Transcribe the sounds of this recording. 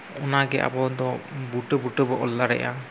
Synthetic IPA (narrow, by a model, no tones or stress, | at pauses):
unaɡɛʔa̰bɔd̪ɔbuʈəbuʈəbɔʔɔlːaɾɛ̰ʔa̰